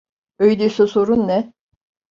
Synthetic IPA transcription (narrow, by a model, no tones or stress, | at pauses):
øjd̪esesoɾunːɛ